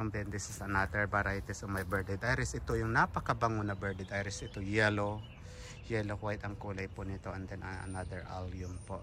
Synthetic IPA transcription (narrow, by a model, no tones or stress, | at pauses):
ond̪ɛnd̪isɪsɐnad̪ɛɹbɐɾajt̪ɛsomɐjbɛɹd̪ɛd̪ʔajɾɛsʔɪt̪ojʊŋnapɐkɐbɐŋonɐbɛɹd̪ɛd̪ʔajɾɛsʔɪt̪ojɛlo | jɛlokwajɪt̪ɐŋkuːlɐjpʊʔnɪt̪o̞ʔɛnd̪ɛnʔɐɐ̰nad̪ɛɹʔa̰ljʊmpoʔ